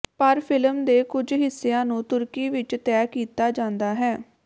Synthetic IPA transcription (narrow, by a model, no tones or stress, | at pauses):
pəɾpʰɪləmd̪eːkʊd͡ʒɦɪsːeãːnũːt̪ʊɾkiːʋɪt͡ʃt̪ɛːkiːt̪aːd͡ʒãːnd̪aːɦɛː